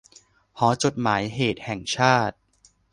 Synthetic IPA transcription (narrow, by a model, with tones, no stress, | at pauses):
hɔː˩˦t͡ɕo˨˩t̪̚maː˩˦jɦeː˨˩t̪̚hɛ˨˩ŋt͡ɕʰaː˥˩t̪̚